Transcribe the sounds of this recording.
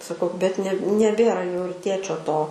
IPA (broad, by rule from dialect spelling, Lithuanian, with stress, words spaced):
sɐˈkɐʊ bʲɛt nʲɛ nʲɛˈbʲeːrɐ jɛʊ ɪr ˈtʲeːt͡ʃʲoː ˈtoː